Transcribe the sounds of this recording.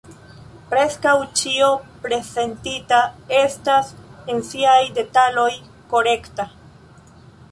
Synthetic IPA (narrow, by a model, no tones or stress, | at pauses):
pɾe̞skawt͡ʃio̞pɾe̞ze̞ntitae̞stasensiajde̞talo̞j | ko̞ɾe̞kta